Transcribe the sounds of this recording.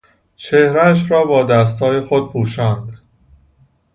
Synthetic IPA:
t͡ʃʰehɾæʃ̬ɾɒːbɒːd̪æs̬t̪ʰɒːjexod̪̥̚pʰuːʃɒːnd̪̥

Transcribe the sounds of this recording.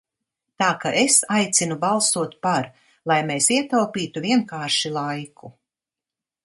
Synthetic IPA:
t̪aːkaʔesajt̪sinubalˠsuɔt̪paɾ | lˠajmeːsiɛt̪alpiːt̪uviɛnkaːɾʃilˠajkʰu

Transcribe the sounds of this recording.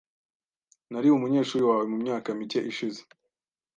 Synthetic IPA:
naɾiumuɲe̞ːʃuːɾiwaːwe̞mumɲaːkamice̞ʔiʃize̥

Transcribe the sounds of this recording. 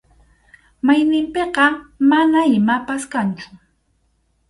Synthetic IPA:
majnɪmpeqɑmanaɪmapaskant͡ʃʊ̥

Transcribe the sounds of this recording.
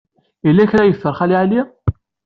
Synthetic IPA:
ilːæçɾæjəθːəɾˤχæliʕali

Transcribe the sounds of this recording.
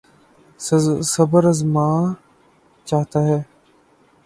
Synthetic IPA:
sɐbəɾɐzmaː | t͡ʃaːɦt̪aɦɛː

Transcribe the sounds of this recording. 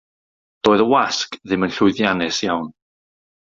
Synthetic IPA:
d̥oːðəwaskðɪmənɬʊɨðjanɛsjawn

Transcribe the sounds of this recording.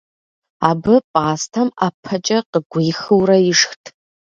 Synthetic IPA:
abɨpʼaːstʰamapʰːɐt͡ʃʼɐqəɡʷijxɨwrɐiʂxtʼʰ

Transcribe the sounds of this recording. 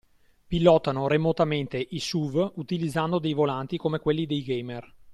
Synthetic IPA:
pilːɔt̪ːanoɾemot̪ament̪eʔisuvut̪ilid̪zːand̪od̪ejvolant̪ikomekwelːid̪ejɡejmer

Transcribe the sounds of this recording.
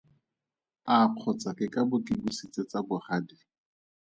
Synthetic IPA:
aq͡χʰɔt͡sakɪkʼabʊkʼɪbusit͡set͡sabʊχaːdi

